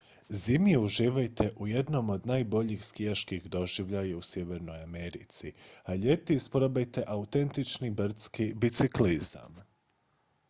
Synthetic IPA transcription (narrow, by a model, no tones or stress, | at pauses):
zimjiuʒiːʋajt̪ʰe̞ʔujed̪no̞mo̞d̪naːjbo̞ʎixskijaʃkixd̪o̞ʒiʋʎajausje̞ʋe̞ɾno̞jameɾḭt̪siaʎet̪ispɾobajt̪e̞ʔaut̪e̞nt̪it͡ʃnibr̩t̪skibit̪sikliza̰m